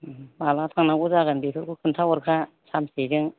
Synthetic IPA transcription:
balat̪ʰaŋnaɡuzaɡɯnbetʰɯɾkʰukʰɯntʰawɔɾkʰa | samsed͡ʒɯŋ

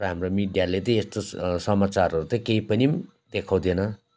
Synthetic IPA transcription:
ʌɦamromiɖijalet̪ʌ̃est̪osʌmat͡saɾɦʌɾut̪t͡s̪ʌ̃keipʌni | d̪ekʰaw̃d̪ʱenʌ

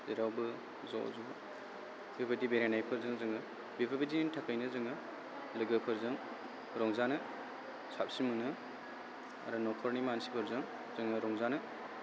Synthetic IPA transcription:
zeɾawbɯ | zɔ̰zu | bibadibeɾanajpʰɯɾzɯŋzɯŋɯ | bibʰabadinintʰakʰɯjnɯzɯŋɯ | lɯɡɯpʰɯɾzɯŋ | ɾɔŋzanɐ | sap̚simɯnɯ | a̰ɾanɔkʰɔɾnimansipʰɯɾzɯŋ | z̥ɯŋɐɾɔŋzanɐ

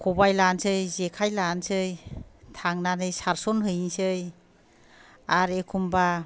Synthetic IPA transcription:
kʰubajlansɯjzekʰajlansɯjtʰaŋnanɯjsaɾsɔnɦɯjiŋsɯj | aɾekʰumba

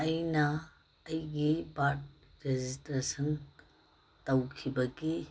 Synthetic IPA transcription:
ɐjnɐː | jɡibaʈ̚ | ɾed͡ʒistɾesɐn | tɐwkʰibɐɡi

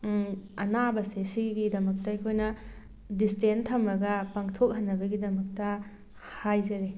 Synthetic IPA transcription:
ɐnabɐsesiɡidɐmɐk̚tɐɐjkʰojnɐ | distentʰɐmɐɡɐpaŋtʰok̚ɦɐnːɐbɐɡidɐmɐk̚tɐ | hajzɐɾe

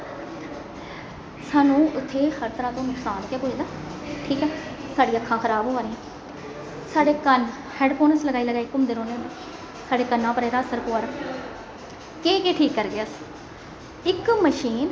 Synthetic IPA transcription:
saːnũːʊt̪ʰːeːhəɾt̪ɾãːt̪õːnʊksaːnkeːpoːd̪aː | ʈʰiːkɛːsaːɖiːəkʰːãːkʰəɾaːbɦoːaːɾeɛ̃ː | saːɖeːkən | hɛːɖpʰoːnəsləɡaːiːləɡaːɪkːʊmd̪eːɾoːnenː | saːɖeːkənːãːpəɾɛːɾaːəsəɾpoːaːɾaː | keːkeːʈʰiːkːəɾɡeːəs | ɪkməʃiːn

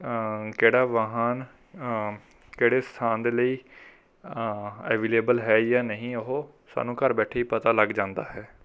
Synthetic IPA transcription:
keːɽaːʋaɦaːn | keːɽeːst̪ʰaːnd̪eːləiː | ɛːʋeːleːbəlɦɛːjaːnəɦĩːəɦoː | sa̰ːnũːkəɾbɛːʈʰeːiːpət̪aːləɡd͡ʒãːnd̪a̰ːɦɛː

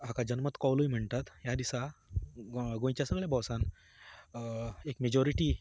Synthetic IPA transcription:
ɦakad͡ʑənmət̪kɔwlujm̤əɳt̪at̪ɦjad̪isa | ɡõjt͡ɕjasəɡɭjabɔwsan | ekmed͡ʑɔɾiʈiː

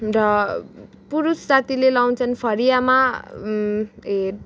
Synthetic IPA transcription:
ɾʌ | puɾusd͡zat̪ʰilelaw̃t͡sʰʌnpʰʌɾijama | ɦeɾ

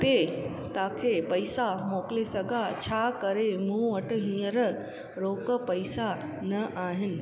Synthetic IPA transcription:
t̪e | t̪aːkʰeːpɐisamoːklesɐɡʱat͡ɕʰaːkɐɾemũːʋɐʈɦĩːəɾ | ɾoːkə̆pɐɪsa | nɐʔaːɦɪnɪ̆

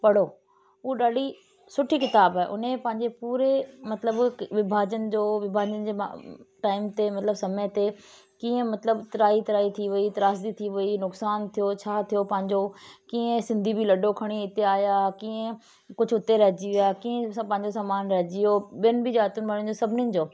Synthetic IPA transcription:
pɐɽ̤oː | uːɗaːɖi | sʊʈʰikɪt̪aːbaːɦḛʔʊ̰nẽpɐ̃ɦɪ̃ɲd͡ʑepuːɾemɐt̪ləbʋɪbʱaːd͡ʑənɪ̆d͡ʑoːʋɪbʱaːd͡ʑənd͡ʑḛːʈaːɪmt̪emɐt̪ləbsɐmət̪e | kiːə̃mɐt̪ləbt̪ɐɾaːit̪ɐɾaːit̪ʰiʋɐit̪ɐɾaːsd̪it̪ʰiʋɐinʊksaːnt̪ʰijot͡ɕʰaːt̪ʰijopɐ̃ɦɪ̃ɲd͡ʑokiːə̃sɪ̃nd̪ʱibʱilɐɖʱokʰɐɽ̃iɪt̪eaːjakiːə̃ | kʊd͡ʑʱʊʊt̪eɾɐɦd͡ʑiʋijaːkiːə̃pɐ̃ɦɪ̃ɲd͡ʑos̬aːmaːnɾɐɦd͡ʑijoɓijənɪ̆bʱid͡ʑaːt̪ʊnɪmɐɽ̃j̃nɪ̆d͡ʑoːsɐbʱɪnjənɪ̆d͡ʑoː

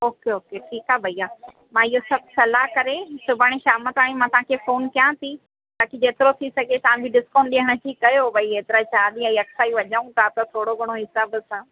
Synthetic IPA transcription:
oːkeoːkeʈʰiːkabʱɐijaː | mãːɪɦosɐbʱsɐlaɦkɐɾesʊbʱəɽ̃eʃaːmət̪aːɽ̃ĩmãːt̪ɐʋ̤ãkʰefoːnkjãt̪ʰi | t̪aːkid͡ʑeːt̪ɪɾot̪ʰisɐɡʱet̪ɐʋ̤ãbʱiɖɪskoːnɗiɦəɽ̃əʈʰikɐjobʱɐieːt̪ɪɾat͡ɕaːɗ̪iɐ̃iɐksaːiʋɐʄəũt̪ʰat̪ɐt̪ʰoːɽoɡʱɐɽ̃oɦɪsaːbsãː

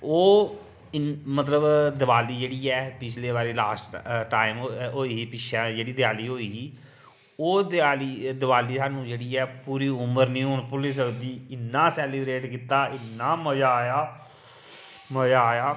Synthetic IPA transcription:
oː | ɪmət̪ləbd̪əbaːliːd͡ʒeːɽiːɛːpɪt͡ʃʰleːbaːɾeːlaːsʈʈaːɪmɦoːiːiːpɪt͡ʃʰaːd͡ʒeːɽiːd̪ɪjaːliːɦoːiːiː | oːd̪aːliːd̪əbaːliːsaːnũːd͡ʒeːɽiːɛːpuːɾiːʊməɾnĩːɦoɳpʊliːs̬əkd̪iːɪnːaːsɛːliːbɾeːʈkiːt̪aːɪnːaːməd͡ʒaːjaː | məd͡ʒaːjaː

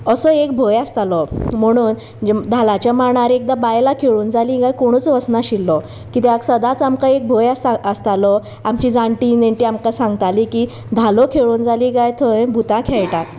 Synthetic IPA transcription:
əsɔekbʱojast̪alɔm̤əɽ̃uːn | d͡ʑd̪ʱalat͡ɕamaɳaɾek̚d̪abajlakʰeɭuːnd͡zalĩɡajkoɽ̃uːt͡sʋəsnaɕilːɔ | kit̪ɛaksəd̪ãt͡samkaek̚bʱɔjasaəst̪alɔ | amt͡ɕid͡zãɳʈineɳʈiamkasãŋɡt̪aliki | d̪ʱalɔkʰeɭuːnd͡zʱaliɡajt̪ʰɔẽbʱut̪ãkʰɛɭʈak

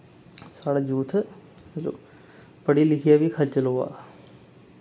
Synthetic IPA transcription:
saːɽad͡ʒuːt̪ʰ | mlo̰ | pəɽilɪkʰijabʱikʰɐt͡ʃəloa̰ː

